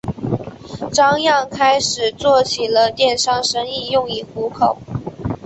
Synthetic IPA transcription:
ʈ͡ʂɑ˥ŋjɑ˥˩ŋkʰa˥ɪʂɻ̩˨˩t͡swɔ˥˩t͡ɕʰi˨˩lə˦t̪jɛ˥˩nʂɑ˥ŋʂə˥ŋi˥˧jʊ˥˧ŋi˥˩xu˧˥kʰo˨˩˦ʊ

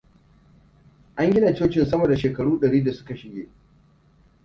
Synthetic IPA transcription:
ʔa˦ŋɡʲɪ˦na˨t͡ʃoː˦t͡ʃɪ˨nsɐ˦mɐ˨da˨ʃeː˨kɐ˨ɽuː˦ɗɐ˨ɽiː˦da˨sʊ̥˦ka˨ʃɪ˨ɡʲeː˦

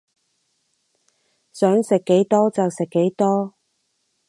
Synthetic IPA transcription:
sœː˨˥ŋsɪ˨kːe˨˥jt̪ɔː˥t͡sɐ˨wsɪ˨kːe˨˥jt̪ɔː˥

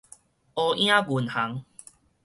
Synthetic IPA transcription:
ɔ˧ʔj̃ã˦ɡu˨˩nha˨˦ŋ

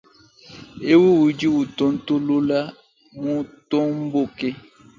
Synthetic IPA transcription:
e˦wu˦wu˨d͡ʒi˦wu˨to˦n̩˦to˦lu˦la˦ | mu˦to˦m̩˦bo˦˨ke˦

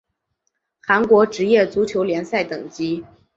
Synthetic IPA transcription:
xa˧˥nkwɔ˧˥ʈ͡ʂɻ̩˧˥jɛ˥˩t͡su˧˥t͡ɕʰjo˧˥ʊljɛ˧˥nsa˥˩ɪt̪ɤ˨˩ŋt͡ɕi˥

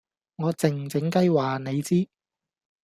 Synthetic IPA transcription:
ŋɔː˨˧t͡sɪ˨ŋ˨t͡sɪ˨˥ŋkɐ˥jwaː˨˩ne˨˧jt͡siː˥

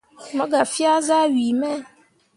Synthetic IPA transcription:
mɛ̃˦ɡa˨fi˦a˦za˦ɥi˨mɛ˦

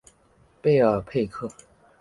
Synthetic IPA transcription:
pe˥˩ɪə˨˩pʰe˥˧ɪkʰɤ˥˩

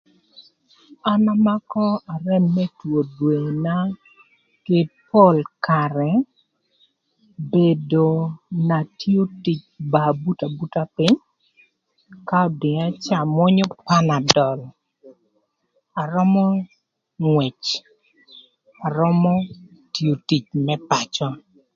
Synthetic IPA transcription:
a˦na˦ma˦kɔ˦a˨rɛ˦˨mːɛ˦two˨dwe˨na˦ | ke˦po˦lka˨ɾɛ˨ | be˨do˨na˨ti˦o˦ti˨t͡ʃba˨bu˦ta˨bu˦ta˦pɪ˦ɲ | ka˦ɔ˨dɪ˨ŋa˦t͡ʃa˨mɔ˦ɲɔ˦pa˦na˨dɔ˨l | a˨ɾɔ˦mɔ˦ | ŋwɛ˨t͡ʃ | a˨ɾɔ˦mɔ˦ | tjo˨ti˨t͡ʃmɛ˦pa˨t͡ʃɔ˦

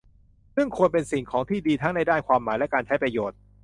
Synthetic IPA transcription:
sɯ˥˩ŋkʰu˧ənpe˧nsi˨˩ŋkʰɔː˩˦ŋt̪ʰiː˥˩diː˧t̪ʰa˦˥ŋna˧jdaː˥˩nkʰwaː˧mːaː˩˦jlɛ˦˥kaː˧nt͡ɕʰa˦˥jpɾa˧joː˨˩t̪̚

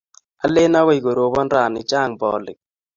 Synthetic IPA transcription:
a˦lɪ˦na˦wa˦i˨ɡo˨ɾo˨bɔ˦nɾa˨nɪ˨t͡ʃa˦˨ŋbɔ̰˨lɪ̰˨k̚

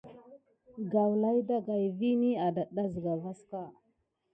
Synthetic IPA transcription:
ɡa˨wla˦jda˦ɡa˨jvi˦ni˦a˨da˨ɗa˦zə˨ɡa˨va˦ska˦

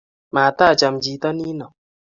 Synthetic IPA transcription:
ma˨taː˦˨t͡ʃa˨md͡ʒi˨˦tɔ˦ni˦nɔ˨

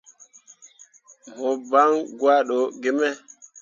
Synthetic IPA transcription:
mɔ˨ba˦ŋɡwa˦ɗo˨ɡe˦mɛ˦

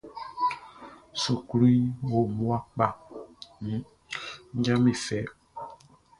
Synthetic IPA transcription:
su˨ku˦li˦wo˨mũ˦a˦k͡pa˦˨˦ | ɲ̩˦d͡ʒã˦mĩ˨fɛ˨˦

